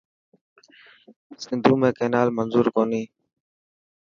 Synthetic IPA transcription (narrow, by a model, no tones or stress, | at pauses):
sɪnd̪ʱũːmẽːkeːnaːlmənzuːɾkoːniː